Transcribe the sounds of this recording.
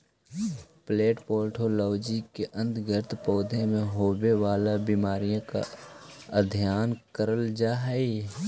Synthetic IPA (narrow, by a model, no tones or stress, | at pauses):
pleːʈpoːlʈʰoːlɔːd͡ʒikeʔə̃nd̪ɡəɾt̪pɔːd̪ʱẽmẽɦoːbewaːlabiːmaːɾijõka̰ | əd̪ʱjaːnkəɾəld͡ʒaːɦɛi